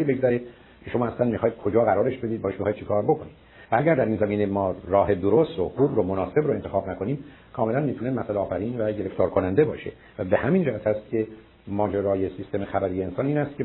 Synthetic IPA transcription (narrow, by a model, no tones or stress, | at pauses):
iːbe̞ɡzæɾed̪ | cʰe̞ʃo̞mɒːæslænmixɒːjid̪̥̚kʰo̞d͡ʒɒːɣæɾɒːɾe̞ʃbe̞d̪iːd̪bɒːeʃmixɒːjd̪̚t͡ʃʰekʰɒːɾbo̞kʰoniːd̪̥ | vææɟæɾd̪æɾiːnzæmiːnemɒːɾɒːɦe̞d̪oɾost̪ɾoxuːbɾomonɒːse̞bɾoe̞nt̪ʰexɒːbnækʰo̞niːm | kʰɒːme̞lænmiːt̪ʰunemæsæleɒːfæɾiːnvæɟe̞ɾe̞ft̪ʰɒːɾkʰonænd̪ebɒːʃe̞̰ | væbehæmiːnd͡ʒæhæt̪ʰæst̪̚cʲʰe̞ | mɒːd͡ʒeɾɒːjesiːst̪ʰe̞mexæbæɾiːjeensɒːniːnæst̪kcʰe